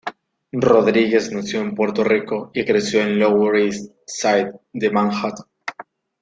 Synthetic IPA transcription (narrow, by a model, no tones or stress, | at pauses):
ro̞ðɾiɣe̞znasjo̞empwe̞ɾt̪o̞riko̞ikɾe̞sjo̞ẽnlowɾis | sajt̪̚d̪emãŋxat̪o̥